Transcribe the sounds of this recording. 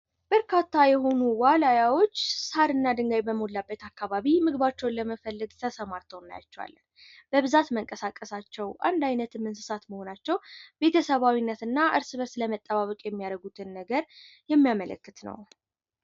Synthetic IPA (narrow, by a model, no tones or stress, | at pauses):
b̥əɾkʰat̪ːajɛɦo̞nuwalajawo̞t͡ʃːsaɾɨnːad̪ɨŋɡajbəmolːabːət̪ʰakːaβaβimɨɡβat͡ʃːɛwnləməfəlːəɡt̪ʰəsəmaɾt̪ʰəwna̰ja̰t͡ʃːɛwa̰lːən | b̥əβɨzat̪məŋkʼəsakʼːəsat͡ʃːɛwʔa̰nd̪ajnət̪ʰɨmɨnsɨsat̪məho̞nat͡ʃːɛwb̥e̞t̪ʰəsəβawinːət̪ɨnːaʔɨɾsɨβəɾsləmət̪ʼːəβaβəkʼjɛmːijaɾəɡut̪ʰɨnːəɡəɾjɛmːijamələ̰kːɨt̪nə̰w